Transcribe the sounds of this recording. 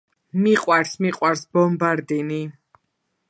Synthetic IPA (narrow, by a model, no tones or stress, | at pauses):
miqʼwaɾsmiqʼwaɾsbɔmbaɾd̪ini